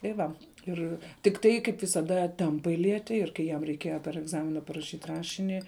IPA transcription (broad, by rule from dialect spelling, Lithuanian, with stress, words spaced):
tɐɪ ˈʋɐ ˈɪr tʲɪkˈtɐɪ kɐɪp ʋʲɪsɐˈdɐ ˈtʲɛmpɐɪ ˈlʲiɛtʲɪ ɪr kɐɪ ˈjɛm rʲɛɪˈkʲiɛjɛ pʲɛr ɛɡˈzɑːmʲɪnɐ pɐrɐˈʃʲiːtʲ ˈrɑːʃʲɪnʲɪ